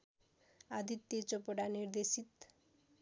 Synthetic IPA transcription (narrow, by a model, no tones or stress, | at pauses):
ad̪ʱit̪jet͡sopoɽanird̪esit̪